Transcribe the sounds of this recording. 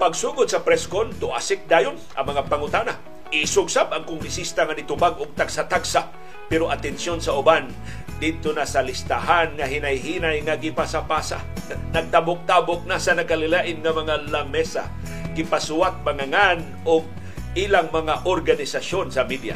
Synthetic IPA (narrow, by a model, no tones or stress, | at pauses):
paɡ̚suːɡʊd̪̚sɐpɾɛskont̪ʊʔa̰sɪk̚d̪aːjʊnʔɐ̰ŋmɐŋapaŋʊt̪aːna | ʔɪsʊɡsabʔaŋkʊŋɡɾɪsist̪aŋanɪt̪ʊbaɡʊɡ̚t̪aɡ̥sat̪aɡsa | pɛɾoʔat̪ɛnsjonsaʔʊban | d̪id̪̚t̪onasalɪst̪aɦanŋaɦɪnajɦiːnajŋaɡɪpasapasa̰ | naɡ̚t̪abʊk̚t̪abʊk̚nasanakalɪlaʔɪnŋamɐŋalamɛsa̰ | ɡɪpasuwat̪̚maŋaŋan | ʔʊɡ̚ | ʔilaŋmɐŋaʔoɾɡanɪsasonsamid̪ja̰